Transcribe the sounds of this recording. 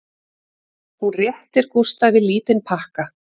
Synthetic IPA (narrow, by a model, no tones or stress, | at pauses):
hurjɛht̪ɪɾ̥kust̪avɪðliːt̪ɪnpʰahka